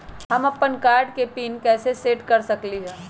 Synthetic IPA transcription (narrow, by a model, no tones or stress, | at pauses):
ɦɐmɐpːənkaːɾɖkepiːnkɛːseseːʈkɐɾsɐkliɦɛː